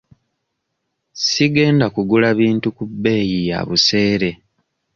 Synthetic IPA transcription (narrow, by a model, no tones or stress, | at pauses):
siɡe̞ːndakuɡulaβiːntukubːe̞ːjija̰βuse̞ːɾe̞